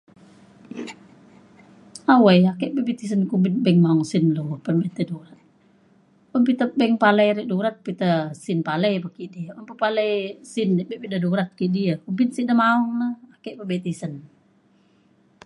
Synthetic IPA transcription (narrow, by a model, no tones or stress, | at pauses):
awajakɛʔpəbit̪is̬ənkubin̚bɛŋmaɔŋsinlopənbɛnt̪eduɾat̪̚ | ɔnpit̪əbɛŋpaləjɾɛʔduɾat̪̚pit̪əsinpaləjbəkiʔdiəunpəpaləjsindɛʔbɛʔpidəduɾat̪̚kiʔdiəkubɪnsiʔdəmaɔŋnəakɛʔpəbɛt̪isən